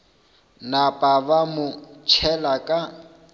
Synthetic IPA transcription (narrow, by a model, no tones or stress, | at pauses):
napʼabamʊt͡ʃʰɛlakʼa